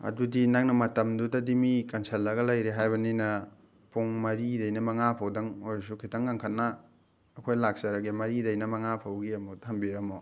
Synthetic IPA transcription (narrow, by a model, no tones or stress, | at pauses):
ɐ̰dudinak̚nɐmɐtɐmdudɐdimikɐnsʰelːɐɡɐlɐjɾeɦajbɐninɐ | pʰuŋmɐɾidɐjnɐmɐŋapʰɐwdɐŋojsukʰitʰɐŋɡaŋkʰɐt̚nɐː | kʰojlak̚sɐɾɐɡimɐɾidɐjnɐmɐŋapʰɐwɡiɐmutʰɐmbiɾɐmo